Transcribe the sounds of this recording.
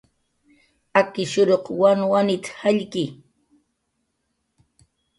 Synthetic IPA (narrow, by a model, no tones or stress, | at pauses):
akɪʃʊɾoqwanwanɪt̪haʎkɪ